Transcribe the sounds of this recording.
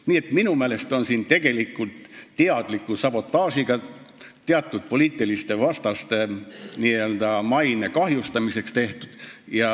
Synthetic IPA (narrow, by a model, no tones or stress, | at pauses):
niːe̞t̪minumeːle̞st̪o̞nsiːnt̪e̞ɡ̥e̞likːˑult̪tːeɑd̪̥likːˑusɑb̥o̞t̪ːˑɑːsiɡ̥ɑ | t̪eɑt̪ːˑud̪̥̚po̞liːt̪ːˑilist̪e̞vɑst̪ɑst̪e̞niːøld̪ɑmɑjne̞kɑɦjust̪ɑmise̞kst̪e̞ht̪ud̪̥jɑ